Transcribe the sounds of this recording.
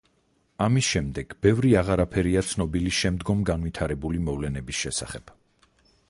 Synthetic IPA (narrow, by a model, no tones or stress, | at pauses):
amisʃɛmd̪ɛɡ̥b̥ɛvɾiaʁaɾapʰɛɾiat̪sʰnɔbiliʃɛmd̪ɡɔmɡanvit̪ʰaɾɛbulimɔvlɛnɛbisʃɛsa̰χɛb̥